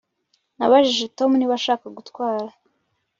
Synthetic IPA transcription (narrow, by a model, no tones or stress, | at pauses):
naβaʒiʒe̞to̞muniβaʃaːkaɡutkwaːɾa